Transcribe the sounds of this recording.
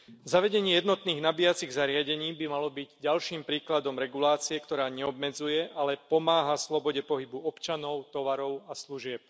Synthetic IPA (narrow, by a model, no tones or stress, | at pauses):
zaʋɛɟɛɲiːjɛd̪nɔt̪niːɣnabiːjat͡siɣzaɾɪaɟɛɲiːbimalɔbiɟɟalʃiːmpɾiːklad̪ɔmɾɛɡulaːt͡siɛkt̪ɔɾaːɲɛɔbmɛd͡zujɛʔalɛpɔmaːɦaslɔbɔɟɛpɔɦibuɔpt͡ʃanɔʊt̪ɔʋaɾɔʊasluʒɪɛp̚